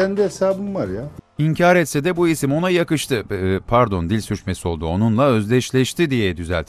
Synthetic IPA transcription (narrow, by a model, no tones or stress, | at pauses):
ɛnd̪iesaːbɯnvaɾjaiɲcʰaːɾɛt̪sɛd̪ɛbuisimo̞najakɯʃt̪ʰɯpʰaɾd̪o̞nd̪ilʲsyɾt͡ʃmeso̞lˠd̪uo̞nunlˠaø̞zlʲɛʃlʲɛʃt̪ʰid̪ijɛd̪yzɛ̰lʲt̪